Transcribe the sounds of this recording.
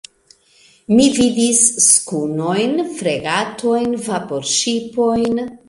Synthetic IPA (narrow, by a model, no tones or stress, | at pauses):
mividisːkuno̞jnfɾeɡatʰo̞jnvapo̞ɾʃipo̞jn